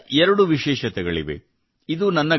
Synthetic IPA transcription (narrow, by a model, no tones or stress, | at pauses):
ɛɾɐɽuʋiʃɛːʃɐt̪ɛɡɐɭiʋḛ | id̪unɐnːɐ